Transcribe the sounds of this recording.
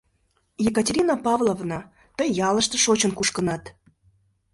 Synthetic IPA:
jekətʲeɾʲinɑpɑvlˠovnɑ | t̪əjːɑlə̆ʃt̪ə̆ʃot͡ɕənkuʃkənɑt̪

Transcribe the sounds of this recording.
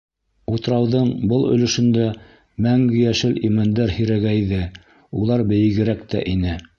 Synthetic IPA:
ut̪ɤɾɑwðɤɴbɤlˠɵ̰̆lɵ̆ʃɵ̆nd̪æ | mæŋɡɘ̆jæʃɘlimænd̪æɾhiɾæɡæjðɘ | ulˠɑɾbɘ̆jɘ̆ɡɘ̆ɾækt̪æ̰ʔinɘ

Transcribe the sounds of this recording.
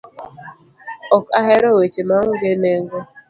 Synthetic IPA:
ɔkaɦeɾowet͡ʃemaŋ̩ɡemeŋɡo

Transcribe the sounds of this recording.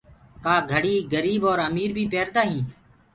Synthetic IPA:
kaːɡʱəɽiːɡəɾiːbɔːɾəmiːɾbʱiːpeːɾd̪aːɦĩː

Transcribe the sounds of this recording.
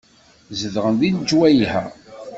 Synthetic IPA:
zəðʁənðind͡ʒwæjihæ̰

